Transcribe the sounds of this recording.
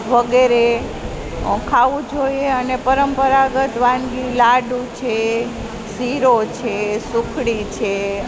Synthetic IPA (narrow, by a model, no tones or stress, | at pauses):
ʋəɡeɾe | ɔ̃kʰaʋũd͡ʒoieənepəɾəmpəɾaɡət̪ʋãnɡilaɖũt͡ʃʰe | siɾot͡ʃʰesukʰɽit͡ʃʰe